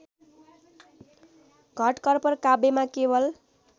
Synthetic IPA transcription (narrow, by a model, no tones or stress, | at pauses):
ɡʱʌʈkʌrpʌrkabemakebʌl